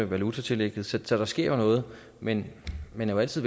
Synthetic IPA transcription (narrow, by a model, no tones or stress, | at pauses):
əʋælut͡sʰæt͡sʰe̝leɡ̥ð̩ˠsɒsɒ̽ɾ̥ɑ̈sɡ̥e̝ɐ̰jnɔ̽ːð̞̩ˠ | menmenjææl̰t͡sʰið̰ˠ